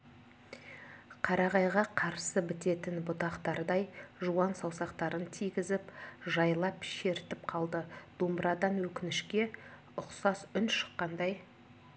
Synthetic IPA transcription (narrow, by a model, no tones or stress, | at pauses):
qʰɑɾɑʁɑjʁɑqʰɑɾsəbɪt̪e̞t̪ɪnbʊt̪ɑqt̪ɑɾd̪ɑjʒuwɑnsɑwsɑqt̪ɑɾənt̪ʰijɡʲɪzɪpʒɑjlˠɑpʃe̞ɾt̪ɪp̚qʰɑlˠd̪əd̪̥ombɾɑd̪ɑnwɵkʲɪnɪʃkʲe̞ | ʊqsɑsʏnʃə̥qːɑnd̪ɑj